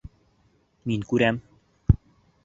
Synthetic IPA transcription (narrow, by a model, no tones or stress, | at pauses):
minkʉɾæm